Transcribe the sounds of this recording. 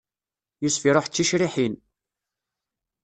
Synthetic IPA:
jusfiɾˤoħt͡sːiʃɾiħin

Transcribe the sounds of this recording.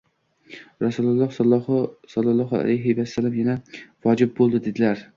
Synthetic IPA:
ɾasulˠʊlˠːɒh | sɑlˠːɑlˠːɒɦa̰lajɦɪvasːalːamjanavɒd͡ʒɪb̚bolˠd̪ɪd̪ed̪ɪlaɾ

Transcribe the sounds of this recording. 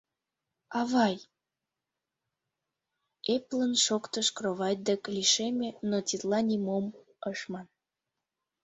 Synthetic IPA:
ɑβɑj | eplənʃokt̪əʃkroβɑj̚d̪əkliʃemʲenotʲit̪lɑnʲimom | əʃmɑn

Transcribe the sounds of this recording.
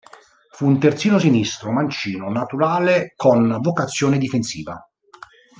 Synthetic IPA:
fuːnt̪ert̪siːnosinist̪ɾomant͡ʃiːnonat̪uɾaːlekonvokat̪sːjoːned̪ifensḭːva̰

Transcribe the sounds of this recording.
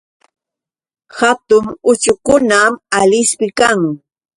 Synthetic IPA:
hat̪ʊmʊt͡ʃʊkʊnamalɪspɪkaŋ

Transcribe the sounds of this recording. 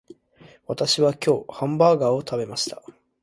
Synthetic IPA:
βat̪aɕiβakʲo̞ːhãmbaːɡaːo̞t̪abe̞maɕi̥t̪ḁ

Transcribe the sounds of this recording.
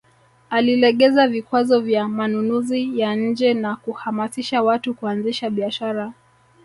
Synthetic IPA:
alilɛɠɛzavikwazɔvjamanunuzijaɲ̩d͡ʒɛnakuhamasiʃawatukuanziʃaɓiaʃaɾa

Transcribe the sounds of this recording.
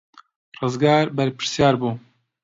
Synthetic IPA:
rɨzɡɑːɾbɛɾpɨ̥ɾsjɑːɾbuː

